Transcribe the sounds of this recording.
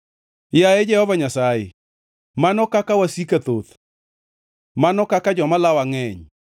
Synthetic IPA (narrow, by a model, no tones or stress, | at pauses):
jajed͡ʒɛhɔvaɲasajḛ | manɔkakawasikat̪ot̪ | manɔkakad͡ʒɔmalawaŋɛɲ